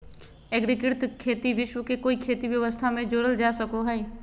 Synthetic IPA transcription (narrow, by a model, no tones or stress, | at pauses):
ɛɡɾɪkɪɾt̪kʰeːt̪iʋɪʃwəkekoːikʰeːt̪ibjəʋəst̪ʰamẽd͡ʒoːɽəld͡ʒaːsəkoɦɛː